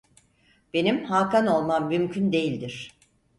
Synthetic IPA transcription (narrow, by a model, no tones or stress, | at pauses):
b̥e̞nimhaːkano̞lˠmamːymcʰynd̪e̞jilʲd̪iɾ̝̥